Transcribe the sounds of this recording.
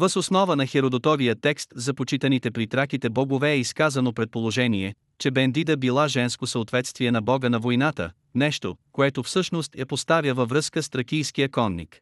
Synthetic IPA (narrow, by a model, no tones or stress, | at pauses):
vəsosnɔvənɐxɛɾod̪ot̪ɔvijət̪ɛkst̪zɐpot͡ʃit̪ənit̪ɛpɾit̪ɾakit̪ɛbɔɡovɛːiskazɐnopɾɛt̪̚polˠoʒɛniɛ | t͡ʃɛbɛnd̪id̪əbilˠaʒɛnskosəot̪vɛt̪st̪viɛnɐbɔɡənɐvojnat̪ə̰ | nɛʃt̪o̰koɛt̪ofsɤʃnost̪jɐpost̪avʲjəvɐvɾɤskəst̪ɾɐkijskijəkɔnːḭk